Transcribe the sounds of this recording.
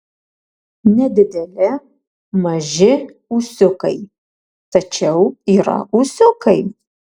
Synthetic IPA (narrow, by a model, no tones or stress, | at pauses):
nʲɛd̪ʲɪd̪ʲɛlʲɪ | mɐʒʲɪ | usʲʊkɐɪ | t̪ɐt͡ʃʲɛʊiːɾɐ̰usʲʊkɐɪ